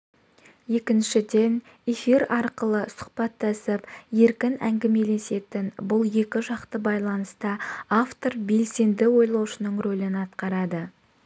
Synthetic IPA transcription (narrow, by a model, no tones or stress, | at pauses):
je̞kʲɪnʃɪd̪e̞n | e̞fiɾɑɾqəlˠəsʊ̥qpɑt̪ːɑsəpje̞ɾkʲɪnæ̰ŋɡʲɪme̞le̞se̞t̪ɪnbʊlˠje̞kʲɪʒɑqt̪əbɑjlˠɑnəst̪əaft̪o̞rbe̞lse̞nd̪ɪwo̞jlˠɑwʃənəɴrolɪnɑt̪qɑɾɑd̪ə